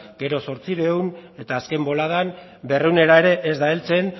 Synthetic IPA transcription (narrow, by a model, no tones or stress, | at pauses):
ɡ̥e̞ɾo̞so̞ɾt͡siɾewne̞t̪aːske̞mbo̞lað̞an | be̞rewne̞ɾae̞ɾe̞ʔːzd̪aelt͡se̞n